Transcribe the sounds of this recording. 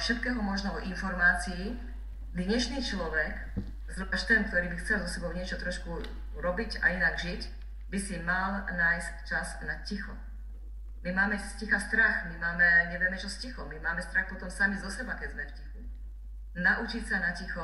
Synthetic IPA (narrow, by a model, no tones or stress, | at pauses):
fʃɛt̪kɛːɦɔmɔʒnɔɔʔinfɔɾmaːt͡sii | d̪ɲɛʃniːt͡ʃlɔʋɛk | zɾuaʃt̪ɛnkt̪ɔɾiːbixt͡sɛlzɔsɛbɔʊɲɪɛt͡ʃɔt̪ɾɔʃku | ɾɔbiɟa̰inaɡʒic | bisimalnaːjsct͡ʃaznacixɔ | mimaːmɛscixast̪ɾaxmimaːmɛɲɛʋɪɛmɛt͡ʃɔscixɔmimaːmɛst̪ɾaxpɔt̪ɔmsamizɔsɛbakɛzmɛfcixu | naʔut͡ʃicsanacixɔ